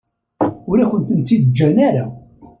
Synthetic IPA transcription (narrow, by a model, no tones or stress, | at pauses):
ʊɾæçʷənt̪ənt̪ːid̪d͡ʒːænaɾa